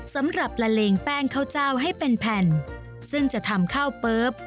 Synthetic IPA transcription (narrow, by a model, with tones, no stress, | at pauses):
sa˨˦mɾa˨˩p̚la˧leː˧ŋpɛː˧ŋkʰa˧˩wt͡ɕaː˧˩wɦa˥˩jpe˧npʰɛ˧˩n | sɯ˥˩ŋt͡ɕa˨˩ʔt̪ʰa˧mkʰaː˥˩wpɤː˦˥p̚